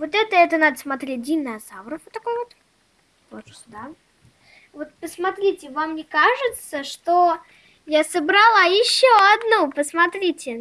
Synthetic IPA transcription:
vo̞t̪ɛt̪əɛt̪ənad̪əsmɐt̪ɾʲet̚ʲdʲinɐzavɾəfvot̪ːɐkojvot̪ | po | d̪a | vo̞t̪̚pəsmɐt̪ɾʲitʲɪvamːnʲekaʐɨt̪səʂt̪o | jasəbɾalˠajɪɕːoɐd̪nupəsmɐt̪ɾʲitʲɪ

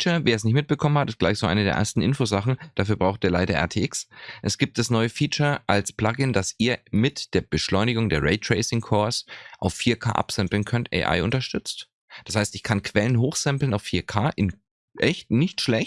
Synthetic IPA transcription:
t͡ʃɐveːɐɛsnɪçtmɪt̚b̥əkʰɔmənhatɪst̚ɡ̥laɪçz̥oːʔa̰ɪnədeːɐʔɛ̰ɐstn̩ʔɪnfoːzaχn̩d̥afyːɐbʁaʊxt̚iːɐlaɪɾɐʔɛ̰ɐtʰeːʔɪksʔɛsɡ̥iːp̚td̥asnɔʏəfiːt͡ʃɐʔalspl̥aɡɪndasiːɐmɪtd̥eːɐb̥əʃlɔʏnɪɡʊŋdeːɐʁɛɪtʁ̥eɪsɪŋkʰɔɐsʔaʊfːiːɐkʰa̰ːʔa̰psɛmpl̩nkʰœntʔɛ̰ɪʔa̰ɪʔʊntɐʃtʏt͡st | d̥ashaɪstɪçkʰankʰv̥ɛlənɦoːxz̥ɛmpl̩naʊfːiːɐkʰaːʔɪn | ʔɛçt̚nɪçtʃlɛç

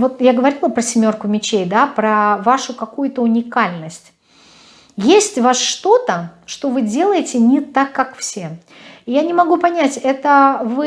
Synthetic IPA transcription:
vo̞t̪jaɡəvɐɾʲilˠəpɾəsʲɪmʲo̞rkʊmʲɪt͡ɕejd̪apɾəvaʂʊkɐkujʊt̪əʊnʲɪkalʲnəsʲtʲ | jesʲtʲvasʂt̪o̞t̪əʂt̪o̞vɨdʲe̞lˠəjɪtʲɪnʲɪt̪akːakfsʲe̞ | janʲɪmɐɡupɐnʲætʲɛt̪əvɨ

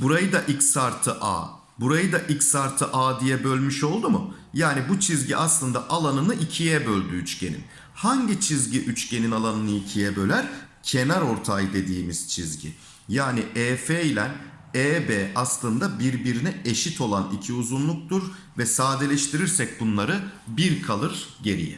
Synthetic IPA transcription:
buɾajɯd̪aʔicsaɾt̪ʰɯʔa̰ː | buɾajɯd̪aʔicsaɾt̪ʰɯʔaːd̪ijɛbø̞lʲmyʃo̞lˠd̪umʊ̰ | jaːnibut͡ʃʰizɟiʔaslˠɯnd̪aʔalˠanɯnɯʔicʰijɛbø̞lʲd̪yːt͡ʃcʰe̞̰nḭn | haɲɟit͡ʃʰizɟiʔyt͡ʃcʰe̞ninalˠanɯnɯicʰijɛbø̞lʲæɾ | cʰe̞næɾo̞ɾt̪ʰajd̪e̞d̪iːmiz̥t͡ʃʰizɟḭ | jaːniʔɛːfelʲæn | eːbɛːaslˠɯnd̪abiɾbiɾinɛeʃit̪ʰo̞lˠanicʰiuzunlˠuk̚t̪uɾ | vɛsaːd̪elʲɛʃt̪ʰiɾiɾsɛc̚bunlˠaɾɯbiɾkʰalˠɯɾɟe̞ɾḭjɛ̰

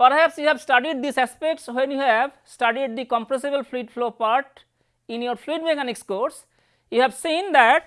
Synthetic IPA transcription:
pəɾhæpsjuhɛʋsʈaɖiɖ̚d̪isæspek̚ʈswẽnjuhɛʋ | sʈaɖiɖ̚d̪ikɔ̃mpɾesibəlfliʈfloːpaɾʈ | ĩnjoɾfliʈbekãnekskoːs | juhɛʋsĩnd̪æʈ̚

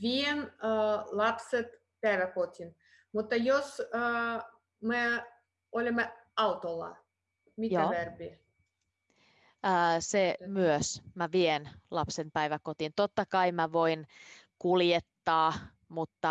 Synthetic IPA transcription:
ʋʲien | lɑpset̪ | pæjʋækot̪ʲin | mut̪ːɑjos | me | olʲemː | ɑut̪olːɑ̰ | mitjoæʋærbi | əsemyøsmæʋienlɑpsenpæiʋækot̪int̪ot̪ːɑkɑimæʋoinkuljet̪ːɑː | mut̪ːɑ

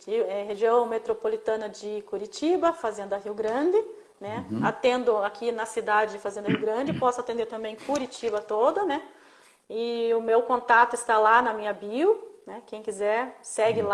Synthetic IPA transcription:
ɪɛɦeʒiɐ̃w̃met̪ɾopolit̪ɐ̃nɐd͡ʒɪkuɾit͡ʃibɐfazẽnd̪ɐɦiwɡɾɐ̃d͡ʒɪ | nɛat̪ẽnd̪ʊakʰinɐsid̪ad͡ʒɪd͡ʒɪfazẽnd̪ɐɦiwɡɾɐ̃d͡ʒɪpɔsʊat̪ẽnd̪eɾt̪ɐ̃mbẽj̃kuɾit͡ʃibɐt̪od̪ɐnɛ | ɪʊmewkõnt̪at̪ʊɪst̪alanɐmĩɲɐbiwnɛkẽj̃kizɛɾsɛɡɪla

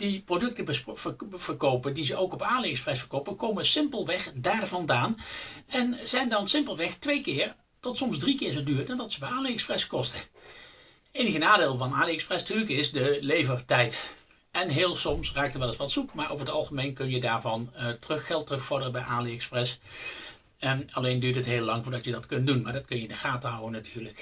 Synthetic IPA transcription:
d̥iprodɵk̚təbəv̥əɹkowpəndizəʔowkɔpaːliɛksprɛsfəɹkowpəkowməsɪmpəlˠʋɛχdaːrvɑndaːnɛnz̥ɛjndɑnsɪmpəlˠʋɛxtʋejkɪːɹ | tɔtsɔmzdrikɪːɹzodyːɹədandɑtsəbɛaːnleɛksprɛskɔstə | ejnəɣənaːdeːlˠvɑnaːliɛksprɛstyːɹləkɪzdəlejvəɹtɛjt | ʔɛnɦeːlˠsɔmsraːk̚təʋɛlˠɪsʋɑtsukmaːɹʔo̰wvəɹətɑlˠχəmejnkɵnjədaːɹvɑntərɵxːɛlˠtːərɵxfɔɹdərəbɛjʔaːliɛksprɛs | ɑlejndyːtətɦeːlːɑŋvʊːɹdɑtjədɑtkɵntdunmaːɹdɑtkɵnjəɪndəχaːtəɦawənatʰyːɹlək

